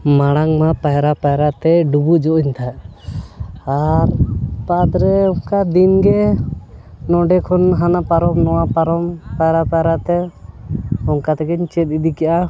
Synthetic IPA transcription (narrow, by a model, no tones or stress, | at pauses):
maɽ̃aŋmapajɾapajɾat̪ɛɖubud͡ʒɔʔɔɲt̪ʰaʔ | aɾpad̪ɾɛɔŋkad̪inɡɛ | nɔɖɛkʰɔnɦanapaɾɔmnɔwapaɾɔmpajɾapajɾat̪ɛ | ɔŋkat̪ɛɡɛɲt͡ʃɛt̪̚ˀid̪ikaʔa